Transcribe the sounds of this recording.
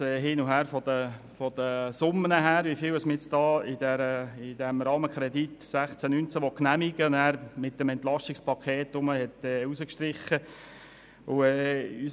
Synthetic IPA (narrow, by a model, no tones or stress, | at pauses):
ɛːɦɪːnʊɦæːɾfɔd̪ə | fɔd̪əsʊmːənəɦæːɾʋifɪːwɛsməjɛt͡stɑːɪdɛɾəɪd̥ɛmɾɑːməkɾɛd̪itsæχt͡sænynt͡sæʋɔknæmiɡ̥əæːɾmɪt̪ːəmɛntlɑstɪkspʰɑkʰeːt̪ːʊməhɛt̪ɛːusəkʃt̪ɾɪχːə | ʊɛːy